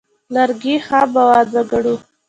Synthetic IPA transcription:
laɾɡixɑbawɑd̪aɡaɽu

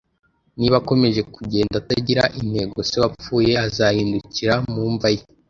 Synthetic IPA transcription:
niβako̞me̞ʒe̞kuɟe̞ːndataɟiɾaʔin̥he̞ɡo̞seβap͡fuːje̞azahiːnduciɾamuːɱvaje

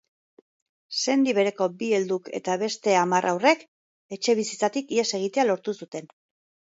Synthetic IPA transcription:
se̞nd̪iβ̞e̞ɾe̞ko̞bie̞ld̪uke̞̰t̪aβe̞st̪e̞amarʔawre̞k | e̞t͡ʃe̞βisit͡sat̪ikie̞se̞ɣ̞it̪e̞alo̞ɾt̪usut̪e̞n

